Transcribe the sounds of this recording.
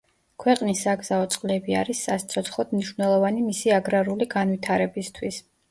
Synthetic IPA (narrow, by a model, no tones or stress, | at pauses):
kʰwɛqʼnisːaɡz̥aɔt̪sʼqʼlɛbia̰ɾisːast̪sʰɔt̪sʰχɔd̪̥mniʃvnɛlˠɔvanimisiaɡɾaɾuliɡanvit̪ʰaɾɛbist̪ʰwis